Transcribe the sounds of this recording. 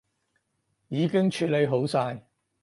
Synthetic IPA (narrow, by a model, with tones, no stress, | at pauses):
jiː˨˧kɪ˥ŋt͡ʃʰyː˨˧le˨˧jɦo˨˥wsaː˧j